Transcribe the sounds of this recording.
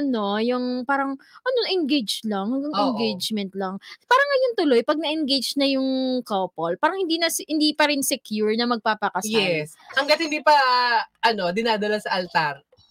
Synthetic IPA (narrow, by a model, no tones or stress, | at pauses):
ʔʔɐno̞jʊŋpaːɾɐŋʔɐnoʔɛnɡejd͡ʒlaŋhɐŋɡɐŋɛnɡejd͡ʒmɛnt̪̚laŋpaːɾɐŋɐjont̪ʊlojpɐɡ̚nɐʔɛnɡejd͡ʒnɐjʊŋkopolpaːɾɐŋhɪnd̪iːnɐshɪnd̪iːpɐɾɪnsɛkjuɹnɐmɐɡ̚papɐkɐsjɛs | hɐŋɡɐt̪hɪnd̪ipɐʔɐno̞d̪ɪnaːd̪ɐlasɐʔɐlt̪aɾ